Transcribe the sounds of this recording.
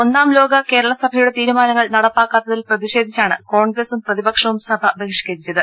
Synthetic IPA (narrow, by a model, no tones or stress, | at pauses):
o̞nːaːmlo̞ːɡɐke̞ːɾɐɭɐsɐbʱɐjuɽe̞t̪iːɾumaːnɐŋːɐɭnɐɽɐpːaːkːaːt̪ːɐðilprɐðiɕe̞ːd̪ʱit͡ɕːaːɳɨko̞ːɳɡɾesumprɐðibɐkʂɐʋumsɐbʱɐbekʂɐ̥kɐɾit͡ɕːɐðɨ